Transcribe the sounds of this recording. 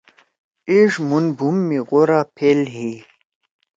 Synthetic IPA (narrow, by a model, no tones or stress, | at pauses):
iʐmunbʱumːiɣoɾapʰelɦi